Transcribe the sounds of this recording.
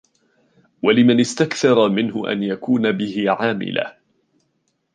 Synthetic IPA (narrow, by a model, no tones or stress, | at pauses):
walɪmanɪst̪akθɑɾˤɑmɪnhʊ̰ʔa̰njakuːnabɪhɪʕaːmɪ̰la̰